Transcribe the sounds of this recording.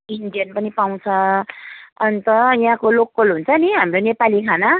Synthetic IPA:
iɳɖijʌnpʌnipaw̃t͡sʰʌ | ʌnit̪ʌjɦãkolokːolɦunt͡sʰʌniɦamronepalikʰana

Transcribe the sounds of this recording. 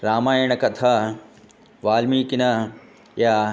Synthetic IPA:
ɾaːmaːjiɽ̃ɐkɐt̪ʰaː | ʋaːlmiːkinɐ | jaː

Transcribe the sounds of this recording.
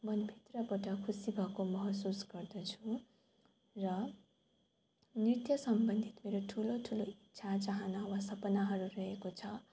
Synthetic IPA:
mʌnbʱit̪rʌbʌʈʌkʰusibʱʌkomʌɦʌsusɡʌrd̪ʌt͡sʰu | rʌ | nrit̪jʌsʌmbʌnd̪ʱit̪meɾoʈʰuloʈʰuloitːsʰat͡saɦʌnʌwasʌpʌnaɦʌɾurʌɦekot͡sʰʌ

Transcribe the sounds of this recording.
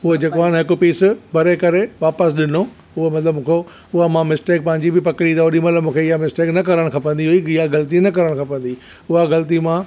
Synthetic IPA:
ʊɦod͡ʑeːkoaːɪnɦɪkopiːsbɐɾekɐɾeʋaːpəsɗɪnõ | ʊɦomɐt̪ləbmũːkʰo | ʊɦamãmɪsʈeːk̚pɐ̃ɦɪ̃ɲd͡ʑibɪpɐkɪɽid̪ɔːɾimɐt̪ləbmũːkʰeɪɦamɪsʈeːknɐk̬ɐɾəɽ̃kʰãːpɐ̃nd̪iɦuiɪjaɣɐlt̪̬inɐkɐɾəɽ̃kʰãːpɐ̃n̆d̪i | ʊɦaɣɐlt̪imã

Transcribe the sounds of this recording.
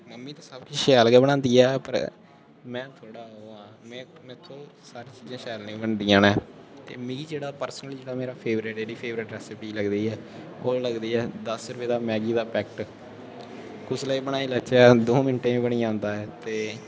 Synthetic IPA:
məmːĩːt̪ãːsəbkiʃɛːlɡɛːbəɽ̃ãːnd̪iːɛːpə̰ɾ | mɛ̃ːt̪ʰoːɽaːɦoːãːmɛ̃ːmɛ̃t̪ʰːoːsaːɾiːt͡ʃiːzãːʃɛːlnĩːbəɳd̪ijãːnɛːt̪eːmiːid͡ʒeːɽaːpəɾsənəld͡ʒeːɽaːmeːɾaːpʰeːʋɾɪʈd͡ʒeːɽiːpʰeːʋɾɪʈɾɛːsɪpiːləɡd̪iːɛː | oːləɡd̪iːɛːd̪əsɾʊʋeːd̪aːmɛːɡiːd̪aːpɛːkʈ | kʊsləiːbəɽaːiːlət͡ʃɛːd̪oːmɪnʈẽːĩːbəɽ̃iːãːnd̪aːɛːt̪eː

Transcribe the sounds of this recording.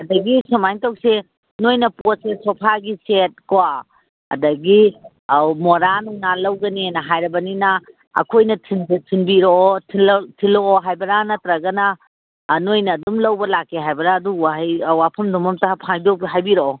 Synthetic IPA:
ɐdɐɡisɔmajŋtowse | nojnɐposesɔpʰaɡiset̚kwa | ɐ̰dɐɡi | moɾanuŋnalɐwɡɐninɐɦajɾɐbɐninɐ | ɐ̰kʰojnɐtʰindtʰinbiɾotʰiltʰiloːɦajbɐɾanɐtɾɐɡɐnɐ | nojnɐːdumlɐwbɐlakːeɦajbɐɾaːduwajwapʰɐmdɔmɐmtapʰajdobɦajbiɾoo

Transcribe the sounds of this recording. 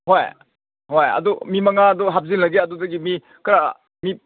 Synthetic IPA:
ɦoj | ɦojɐ̰dumimɐŋaːduɦap̚zinlɐɡeɐdudɐɡimi | kɾa̰ | mi

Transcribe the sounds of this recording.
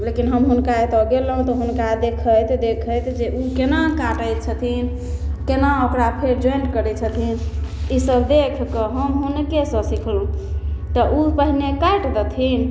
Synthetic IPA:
lekinɦəmɦunkaet̪ɔɡeləɦũt̪ɔɦunkaed̪ekʰəjt̪d̪ekʰəjt̪d͡ʒeʔukenakaʈəj̪t͡ʃʰət̪ʰin | kenaokɾapʰeɾd͡ʒoenɖkəɾɛt͡ʃʰət̪ʰinisəbd̪ekʰkəɦəmɦunkesə̃sikʰlũt̪ɔʔupəɦinekajʈd̪ət̪ʰin

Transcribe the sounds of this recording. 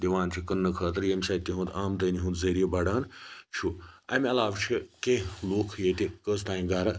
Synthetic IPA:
d̪ʲiʋaːnt͡ʃʰikɐnːɨkʰɐːt̪ɐɾjemsaːt̪ʲːiɦũnd̪aːmd̪ɐːniɦũnd̪zɐɾijebɐɽaːnt͡ʃʰuɐ̰ːmɐlaːʋt͡ʃʰikeloːkʰjeːt̪ʲikəzt̪aːĩɡaːɾɐ

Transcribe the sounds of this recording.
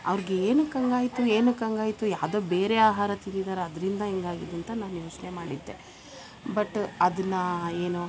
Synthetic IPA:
ɐ̰ʋɾiɡeeːnukɐŋɡaːjit̪ueːnukɐŋɡaːjit̪ujaːd̪oːbe̞ːɾeaːɦaːɾɐt̪inid̪aːɾeɐd̪ɐɾind̪ɐɦiŋɡaːɡid̪ɐnt̪ɐnaːnujo̞ːt͡ʃnemaːɽid̪ːe̞̰ | bɐʈːɐd̪ɐnːɐeːnu

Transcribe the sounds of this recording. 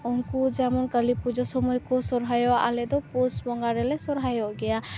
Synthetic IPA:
ɔnkud͡ʒamɔnkəlipud͡ʒɔsɔmɔjkɔsɔɾɦajɔaʔa̰lɛd̪ɔpɔsbɔŋɡaɾɛlɛsɔɾɦajɔʔɡɛja

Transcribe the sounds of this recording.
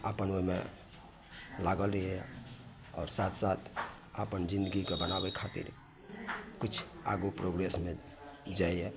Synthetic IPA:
apənomḛ | laɡəlɾəɦɛ | ɔ̰ːɾsat̪ʰsat̪ʰ | apənd͡ʒĩnd̪əɡikebənabekʰat̪ḭɾ | kit͡ʃʰa̰ɡupɾoɡɾesme | d͡ʒaje

